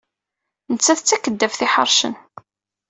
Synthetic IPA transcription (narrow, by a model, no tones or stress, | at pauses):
nət͡sːæθət͡sːækəd̪ːæfθiħə̰ɾˤʃə̰n